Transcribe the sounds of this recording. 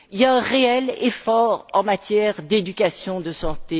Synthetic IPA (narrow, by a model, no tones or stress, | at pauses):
iljaɛ̃ʁeɛlḛfɔʁɑ̃mat̪jɛʁd̪ed̪ykasjɔ̃d̪əsɑ̃t̪e